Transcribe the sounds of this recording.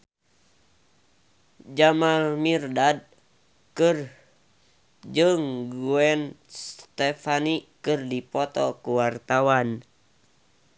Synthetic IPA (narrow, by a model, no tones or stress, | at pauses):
d͡ʒamamirdad̚ | kɨr | d͡ʒɨŋɡuɛn | st̪ɛfanikɨrdipɔt̪ɔkuwart̪awan